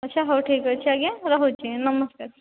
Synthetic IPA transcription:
ɐtːʃʰaɦɐwʈʰiːkɐt͡ʃʰaɡjãɾɐɦot͡ʃeẽnɐməskaɾ

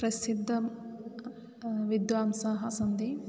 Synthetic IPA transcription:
ɾɐsid̪ʱːɐm | ʋid̪ʋaːmsaːɦɐsɐnd̪i

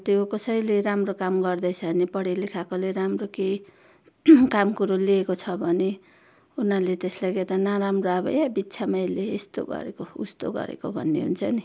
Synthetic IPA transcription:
t̪eokʌsʌjleɾamrokamɡʌrd̪ʌjt͡sʰʌnipʌɽelikʰakoleɾamrokej | kamkuɾoliekot͡sʰʌbʱʌne | unalet̪eslajket̪ʌnaɾamroabʌ̰jabit̪ːsʰamajleːst̪o̰ɡʌ̰ɾḛkoṵst̪o̰ɡʌ̰ɾḛkobʱʌ̰nːḛɦṵnt͡sʰʌni

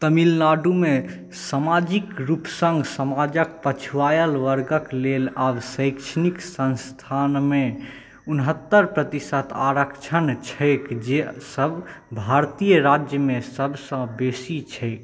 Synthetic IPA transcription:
t̪əmilnaɖume | samad͡ʒikɾupsə̃ŋɡsəmad͡ʒək̚pət͡ʃʰuʋajəlʋəɾɡəklelabsəɪkʃʰəniksə̃nst̪ʰanme | unɦət̪ːəɾpɾət̪isət̪ʰaɾəkt͡ʃʰənt͡ʃʰəɪkd͡ʒesəbʱbʱaɾt̪ijəɾad͡ʒjəmesəbsə̃besit͡ʃʰɛɪk

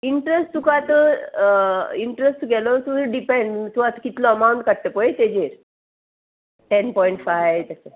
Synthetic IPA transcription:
iɳʈɾesʈt̪ukat̪ə | iɳʈɾesʈt̪uɡɛlɔt̪uɖipẽɳɖt̪uat̪əkit̪lɔəmaũɳʈkaɽʈ̪əpɔet̪ed͡ʑeɾ | ʈɛnpɔiɳʈfajʋt̪ase

